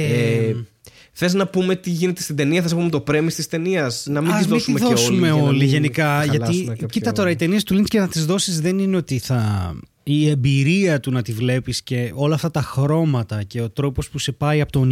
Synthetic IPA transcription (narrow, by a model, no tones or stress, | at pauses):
ee | θe̞znɐpume̞t̪iʝine̞t̪est̪id̪e̞niɐθeznɐpumet̪o̞pɾemist̪ist̪e̞niɐsnɐmiɐizðint̪imðosumeo̞liʝe̞nikɐʝɐt̪icit̪ɐt̪o̞ɾɐit̪e̞niest̪uliniscenɐt̪izðo̞sizðe̞nine̞o̞t̪iθɐ | ie̞mbiɾiɐt̪unɐt̪ivle̞pisce̞o̞lɐːft̪ɐt̪ɐxɾo̞mɐt̪ɐce̞o̞t̪ɾo̞po̞spuse̞pɐiɐpot̪on